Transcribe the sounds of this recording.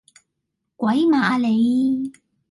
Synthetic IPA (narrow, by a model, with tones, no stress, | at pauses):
kwɐ˨˥jmaː˨˥le˨˧j